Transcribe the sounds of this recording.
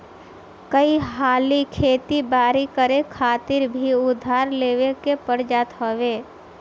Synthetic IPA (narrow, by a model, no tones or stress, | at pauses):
kəiɦaːlikʰeːt̪ibaːɾikəɾekʰaːt̪ɪɾbʱiʊd̪ʱːaːɾleːʋekepəɽd͡ʒaːt̪ɦoːʋeː